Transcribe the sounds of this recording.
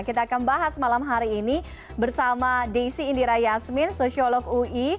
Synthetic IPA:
kit̪aːkanbaɦasmalamɦaɾiːni | bərsamadesiːndiɾajasmɪnsosiolɔkui

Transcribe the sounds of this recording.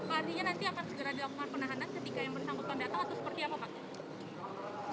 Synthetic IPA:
mart̪iɲanant̪iakansəɡəɾadilakuŋanpənaɦanankət̪ikajaŋbərsaŋɡʊt̪̚pəndat̪aŋat̪awsə̥pərt̪iapapak

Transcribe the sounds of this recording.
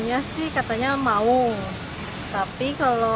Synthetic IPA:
ɲasɪhkat̪aɲamau | t̪apikalo

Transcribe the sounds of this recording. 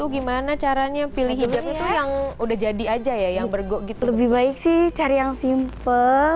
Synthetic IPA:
tuɡimanat͡ʃaɾaɲapiliɦiapɲat̪ujaŋudahd͡ʒadiad͡ʒajajaŋbərɡɔʔɡit̪ləbɪhbaɪk̚sɪht͡ʃaɾajaŋsimpə

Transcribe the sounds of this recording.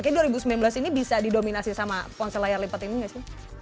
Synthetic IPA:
kaaduaɾibusəmilanmblasinibisadidominasisamapɔnsəlajarlipət̪iniŋasɪ

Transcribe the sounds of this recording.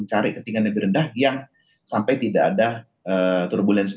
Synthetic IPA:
nt͡ʃaɾɪkət̪iŋanːəbiɾəndahjaŋ | sampajt̪idaːda | ʔət̪ʊrbulɛns

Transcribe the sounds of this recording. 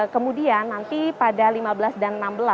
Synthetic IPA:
kəmudianːant̪ipadalimabəlasdanənambəla

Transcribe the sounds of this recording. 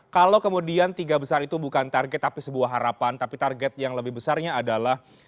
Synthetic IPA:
kalawkəmudiant̪iɡabəsaɾit̪ubukant̪arɡɛt̪ːapisəbuaɦːaɾapant̪apit̪arɡɛt̪̚jaŋləbɪhbəsarɲaːdalah

